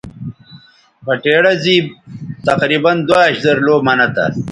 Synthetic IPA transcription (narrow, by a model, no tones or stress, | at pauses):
pɐʈeːɽɐziːt̪ɐqɾiːbɐnd̪waːɕzɐɾloːmɐnɐt̪a̰